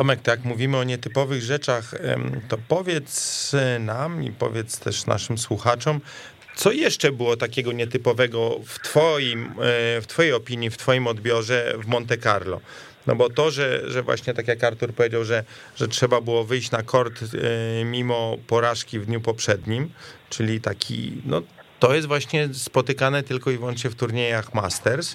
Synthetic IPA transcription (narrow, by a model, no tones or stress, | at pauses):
ɔmɛk̚t̪jakmuvʲimɘɔɲɛt̪ɘpɔvɘɣʐɛt͡ʂaxt̪ɔpɔvʲjɛt̪snamḭpɔ̰vʲjɛt̪st̪ʰɛ̰ʂna̰ʂɘmswuxat͡ʂɔm | t̪sɔjɛʂt͡ʂɛbɘwɔt̪akʲɛɡɔɲɛt̪ɘpɔvɛɡɔft̪fɔjimft̪fɔjejɔpʲiɲift̪fɔjimɔd̪bʲjɔʐɛvmɔnt̪ɛkaɾlɔ̰ | nɔ̰bɔt̪ɔʐɛʐɛvwa̰ɕɲɛt̪ak̬ʲjakaɾt̪uɾpɔvʲjed͡ʑawʐɛ | ʐɛtʂɛbabɘwɔvɘjɕt͡ɕnakʰɔɾt̪mʲimɔpɔɾaʂkʲivd̪ɲupɔpʂɛd̪ɲimt͡ʂɘlʲit̪akʲʰḭnɔ̰t̪ɔjɛst̪vwaɕɲɛspɔt̪ɘkanɛt̪ɘlkɔivwɔ̃nt͡ʂɲɛft̪uɾɲejaxmast̪ɛɾs